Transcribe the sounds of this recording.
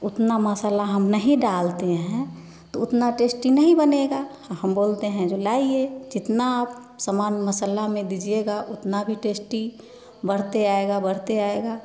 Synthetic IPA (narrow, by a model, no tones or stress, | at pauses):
ʊt̪naməsəlaɦəmnəɦĩɖaːlt̪eɦɛ̃ | t̪oʊt̪naʈeːsʈinəɦĩbəneɡa | həmboːlt̪eɦɛ̃d͡ʒolaːied͡ʒɪt̪nap | səmaːnməsəlamẽd̪id͡ʒieɡaʔʊt̪nabʱiʈeːsʈi | bəɽ̤t̪eaːeɡabəɽ̤t̪eaːeɡa